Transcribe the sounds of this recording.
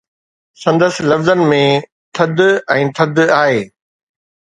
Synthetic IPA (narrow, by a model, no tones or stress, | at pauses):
sɐ̃nd̪əsɪ̆lɐfzənmẽ | t̪ʰɐd̪ɛ̃ːt̪ʰɐd̪aːɦeː